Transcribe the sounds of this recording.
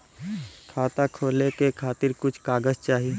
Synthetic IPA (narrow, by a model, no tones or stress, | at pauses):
kʰaːt̪akʰoːlekekʰaːt̪ɪɾkʊt͡ʃʰkaːɡəzt͡ʃaːɦi